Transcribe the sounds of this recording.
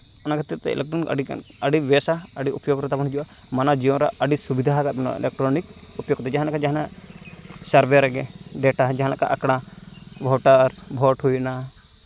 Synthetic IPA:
ɔnakʰat̪ɛt̪ːɛ̰ɛ̰lɛk̚tɾɔn̰ɖi | əɖiwɛsa | əɖiupjoɡɾɛt̪abɔnɦd͡ʒuwa | manad͡ʒiɔnɾa̰əɖisubid̪ʱaɦaɡat̪̚nɔ̰ɛ̰lɛk̚ʈɾɔnik | upjoɡt̪ɛd͡ʒaɦãlakʰad͡ʒaɦana | saɾbʱɛɾɛɡɛ | ɖɛʈad͡ʒaɦãlaka̰ʔakɽ̃a | bʱɔʈaɾ | bʱɔʈhujna

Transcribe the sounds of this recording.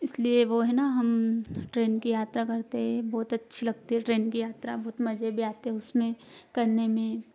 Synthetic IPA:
ɪslieʋoɦɛnaɦɐmʈɾeːnkijaːt̪ɾakɐɾt̪eɦɛ̃bɔːt̪ɐtːʃʰilɐɡt̪iɦɛʈɾeːnkijaːt̪ɾabɔːt̪mɐd͡ʒʱebʱiaːt̪eɦɛʊsmẽkɐɾnemẽ

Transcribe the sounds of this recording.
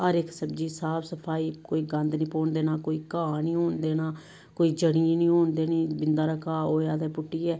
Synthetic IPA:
əɾɪksəbd͡ʒiːsaːpʰsəpʰaːiːkoːiːɡənd̪nĩːpoːɳd̪eːnaːkoːiːkãːnĩːɦoːnd̪eːnaː | koːiːd͡ʒəɽĩːnĩːoːnd̪eːniːbɪnd̪aːɾəkaːoːaːd̪eːpʊʈːiːɛː

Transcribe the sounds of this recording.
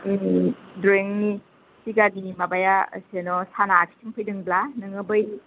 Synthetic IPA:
dɾeŋni | siɡadimabaja̰senɔsanatʰi̥tʰiŋpʰɯjdɯŋblanɯŋɯbɯj

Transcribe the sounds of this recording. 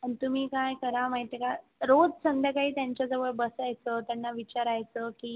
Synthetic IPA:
əɳt̪um̤iːkajkəɾamaɦit̪jəkaɾod͡zsənd̪akaɦiːt̪jaɲt͡ɕjad͡zəʋəɭbəsajt͡sət̪janːaʋit͡ɕaɾajt͡səkiː

